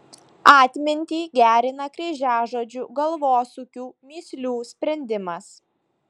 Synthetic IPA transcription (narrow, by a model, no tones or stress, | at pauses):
ɑːt̪ʲmʲɪnʲt̪ʲiːɡʲæːɾʲɪnɐkɾʲɛʒʲæːʒoːd͡ʒʲuːɡɐlˠʋoːsukʲuːmʲiːsʲlʲuːsʲpʲɾʲɛnʲd̪ʲɪmɐs